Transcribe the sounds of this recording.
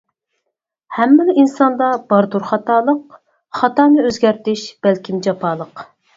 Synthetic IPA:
hɛmːɪnɪinsɑnd̪ɑb̥ɑɾd̪uɾχɑt̪ɑːlˠəq | χɑt̪ɑːnɨøzɡʲæɾt̪ɪʃb̥ælkʲimd͡ʒɑpʰɑːlˠəq

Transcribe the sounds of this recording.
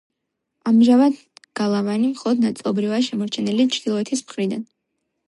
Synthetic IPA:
amʒavad̪ | ɡ̥alˠavanimχɔlˠɔd̪nat̪sʼlˠɔbɾivaʃɛmɔɾt͡ʃʰɛnɛlit͡ʃʰd̪ilˠɔɛt̪ʰismχɾid̪an

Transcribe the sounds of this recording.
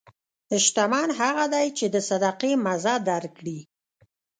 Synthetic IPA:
d̪əʃt̪amɑnɦaɣad̪ajt͡ʃed̪əsad̪ɑqemazɑd̪aɾkɽi

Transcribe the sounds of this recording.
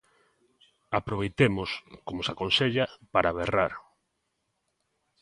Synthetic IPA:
apɾoβejt̪emoskomosakonseʎapaɾaβeraɾ

